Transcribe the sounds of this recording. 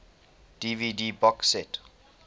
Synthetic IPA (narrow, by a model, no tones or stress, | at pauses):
d̥ividibɔksɛt